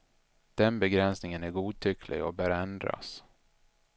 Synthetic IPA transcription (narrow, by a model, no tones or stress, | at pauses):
d̪̥ɛnbɛɡɾɛnsnɪŋənæɾɡuːt̪ʰʏkʰlɪ̰ɡɔ̰bœːɾɛnd̪ɾa̰s